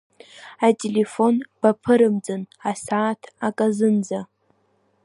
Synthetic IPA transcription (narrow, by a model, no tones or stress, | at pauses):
atʼele̞fo̞nb̥apʰɨɾɨmd͡zɨnasaːtʰakʼazɨnd͡za